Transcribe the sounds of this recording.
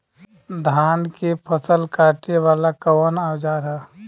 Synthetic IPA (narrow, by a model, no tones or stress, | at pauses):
d̪ʱaːnkipʰəsəlkaːʈiʋaːlakəwənaːwd͡ʒaɾɦɛː